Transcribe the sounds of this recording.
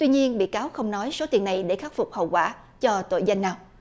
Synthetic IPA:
t̪wi˧ɲi˧ənɓḭ˧˨kaː˨˦wxə˧wŋ͡mnɔ˨˦jso˨˦t̪i˨˩əna˨˩jɗe˧˩xaː˦˥t̚fʊ˨˩k͡p̚hə̰˧˨wkwaː˧˩ | t͡ɕɔ˧t̪o̰˧˨jza˧jŋ̟naː˧w

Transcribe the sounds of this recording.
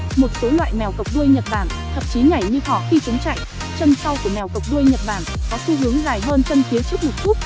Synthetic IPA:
mo˨˩t̚so˨˦lwa̰ː˧˨jmɛ˨˩wkə˨˩k͡p̚ɗu˧əjɲə˨˩t̚ɓaː˧˩n | t̪ʰə̰˨˩k͡p̚t͡ɕi˨˦ɲa˧˩jɲɨ˧ɦɔ̰˧˨xi˧t͡ɕɨ˨˦ŋt͡ɕa̰˧˨j | t͡ɕə˧nsa˧wku˧˩əmɛ˨˩wkə˨˩p̚ɗu˧əjɲə˨˩t̚ɓaː˧˩nkɔ˨˦su˧ɦɨ˨˦əŋzaː˨˩jɦəː˧nt͡ɕə˧nxi˨˦ət͡ɕɨ˦˥ək̚m˨˩t̚ku˦˥ək̚

